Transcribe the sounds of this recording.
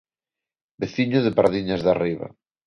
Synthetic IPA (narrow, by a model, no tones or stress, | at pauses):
beθiɲʊðepaɾðiɲazðariβa̰